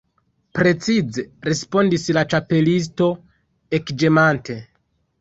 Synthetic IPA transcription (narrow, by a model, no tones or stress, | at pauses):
pɾe̞t͡size̞ɾe̞spo̞ndislat͡ʃape̞lis̬to̞ | e̞kd͡ʒemantʰe̞